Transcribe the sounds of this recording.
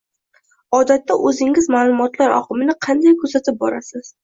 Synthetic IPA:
ɒd̪at̪ːaʔɵzɪŋɪzmaːlˠʊmɒt̪laɾɒ̰qʰɨmɪnɪqʰɑnd̪ajkʰɵzat̪ʰɪp̚bɒɾasɪz̥

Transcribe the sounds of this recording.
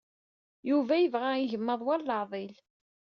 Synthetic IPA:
juvæjəvʁaiʝəmːəðˤwælləʕðˤil

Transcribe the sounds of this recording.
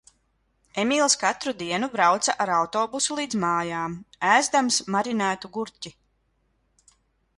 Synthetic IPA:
emiːlˠskat̪ɾud̪iɛnubɾawt̪saʔaɾawt̪ɔːbusulˠiːd̪zmaːjaːmæːzd̪amsmaɾinæːt̪uɡuɾcʲi

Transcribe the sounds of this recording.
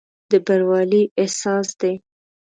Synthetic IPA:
d̪əbaɾwɑliʔesɑsd̪e

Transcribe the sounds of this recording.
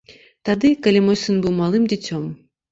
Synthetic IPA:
t̪ad̪ɨkɐlʲimɔjsɨnbɨwmalˠɨmdʲit͡sʲɔm

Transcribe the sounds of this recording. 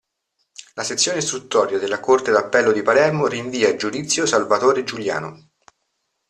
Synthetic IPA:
laset̪sːjoːnest̪ɾut̪ːɔːɾjad̪elːakort̪ed̪apːɛlːod̪ipalɛrmoriɱviːad͡ʒud̪it̪sːjosalvat̪oːɾed͡ʒulja̰ːno̰

